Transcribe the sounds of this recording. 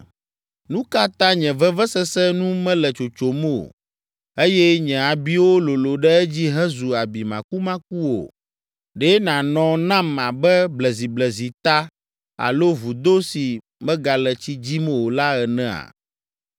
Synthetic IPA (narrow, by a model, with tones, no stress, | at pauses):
nũ˦ka˦t̪ã˦ɲɛ̃˨vɛ˦vɛ˦sɛ˦sɛ˦nũ˦mɛ̃˦lɛ˨t͡ʃo˨t͡ʃo˨mɛ˦o̰˨ | e˦jɛ˦ɲɛ̃˨a˨bi˦wo˦lo˨lo˨ɖɛ˦ɛ˦d͡ʑi˦ɦɛ̃˦zu˨a˨bi˨mã̰˨ku˦mã˦k̚u˦wo̰˨ | ɖɛ˦nã˨nɔ̃˨nã˦ma˨bɛ˦blɛ˨zi˨blɛ˨zi˨t̪a˦ | a̰˨lo˦vu˨d̪o˦si˨ | mɛ̃˦ɡa˨lɛ˨t͡ɕi˦d͡ʑi˦mɛ̃˦wo˨la˦ɛ˨nɛ̃˦a̰˨